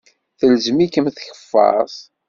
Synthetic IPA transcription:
θəlzmikəmθçə̥fːɑ̰sˤ

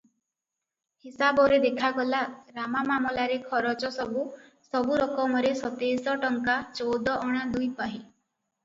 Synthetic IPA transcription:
hisabɔɾed̪ekʰaɡɔlaɾamamamɔlaɾekʰɔɾɔt͡ʃɔsɔbu | sɔbuɾɔkɔmɔɾesɔt̪esɔʈɔŋkat͡ʃɔwd̪ɔʔɔɽ̃ad̪ujpaɦi

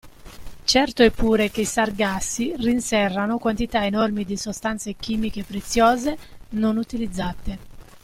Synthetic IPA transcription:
t͡ʃɛrt̪oɛpːuːɾekeisarɡasːirinsɛrːanokwant̪it̪aenɔrmid̪isost̪ant̪sek̟iːmikepːɾet̪sːjɔːzenonut̪ilid̪zːat̪e

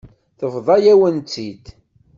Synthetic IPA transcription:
θəfðˤɑjæwənt͡s̪ːid̪

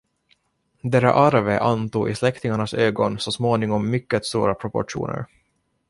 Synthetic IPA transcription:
d̪ɛɾa̰ʔaɾvəʔant̪uːɡɪslɛkt̪ɪŋaɳasøːɡɔnsɔsmoːnɪŋɔmːʏkːət̪st̪uːɾapʰɾɔpɔ̰ʈṵːnə̰ɾ

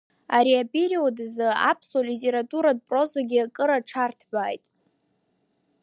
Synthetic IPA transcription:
aɾiabʼiɾiodzɨa̰pʰswalitʲʼe̞ɾatʼuɾad̚pʼro̞zaɡʲiakʼɨɾaʈ͡ʂʰartʰbʷaːjtʼ

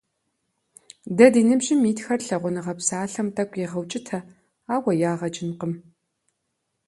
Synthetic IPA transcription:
dɐdiːnɨbʒɪmiːtxɐrɬɐʁʷʊnɨʁɐpsaːɬɐmtʼɐkʷʼjɛʁɐwt͡ʃʼɪtʰɐ | aːwɐjaːʁɐt͡ʃʼɪnqəm

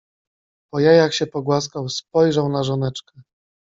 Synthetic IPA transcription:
pɔjajakɕɛpɔɡwas̬kawspɔjʐawnaʐɔnɛt͡ʂkɛ

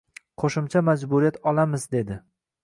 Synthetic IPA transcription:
qʰoʃɪmt͡ʃʰamad͡ʒbʊɾijat̪ɒlamɪzd̪e̞d̪ɪ

